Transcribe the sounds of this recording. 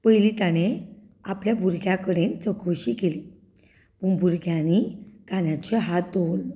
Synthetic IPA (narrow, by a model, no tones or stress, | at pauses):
pəjlit̪añe | apljabʱuɾɡjakəɽent͡səkʰəɕikeliː | pəɳbʱuɾɡʱjanikanjat͡ɕeɦat̪̚d̪ol